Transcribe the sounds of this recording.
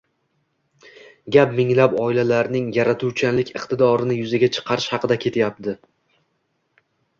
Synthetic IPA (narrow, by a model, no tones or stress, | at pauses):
ɡʲapmɪŋlapɒɪlalaɾnɪŋjaɾat̪ʰuwt͡ʃʰalɪkʲɨqt̪ɪd̪ɒɾɪnɪjʊzaɡʲat͡ʃʰɨ̥qʰɑɾɪʃhɑqɨd̪akʲʰe̞t̪ʰjap̚t̪ʰɪ